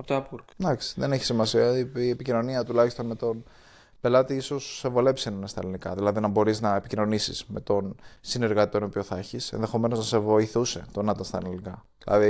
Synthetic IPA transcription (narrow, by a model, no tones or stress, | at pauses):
ɐpot̪oɐpuɾkd̪ɐksi̥ðeneçi̥simɐsiɐiepicino̞niɐt̪ulɐçist̪o̞nme̞t̪o̞n | pe̞lɐt̪iiso̞sːevo̞le̞psinɐnest̪ɐ̰linikɐ̰ðilɐðinɐbo̞ɾiznɐepicino̞nisḭzme̞t̪o̞nsine̞ɾɣɐt̪it̪onopio̞θeçise̞̰nðe̞xo̞me̞no̞znɐse̞vo̞iθuse̞t̪onɐt̪ɐst̪ɐ̰lilnikɐðilɐ̰ði